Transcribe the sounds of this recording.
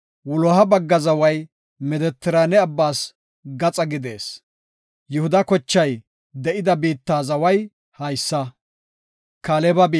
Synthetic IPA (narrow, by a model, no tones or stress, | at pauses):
wʊlɔɦɐbɐɡːɐzɐwɐj | mɛd̪ɛt̪ːɪɾaːnɛɐbːaːs | ɡɐt͡sʼɐɡɪd̪e̞ːs | jʊhʊd̪ɐkɔt͡ʃːɐj | d̪ɛʔɪd̪ɐbiːt̪ːaːzɐwɐj | hɐjsːɐ | kaːlɛbɐbi